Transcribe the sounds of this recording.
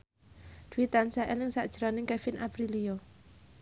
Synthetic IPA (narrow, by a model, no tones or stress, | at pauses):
d̪̥wit̪ansaʔɛlɪŋsaʔd̥ʒ̥əɾɔnɪŋkɛfɪnʔapɾilio